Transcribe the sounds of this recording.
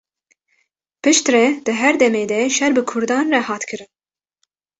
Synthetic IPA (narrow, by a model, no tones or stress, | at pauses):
pɨʃt̪rɛd̪̥ɨɦɛɾd̪ɛmeːd̪ɛʃɛɾbɨkʰʊɾd̪ɑːnrɛhɑːt̪kʰɨɾɨn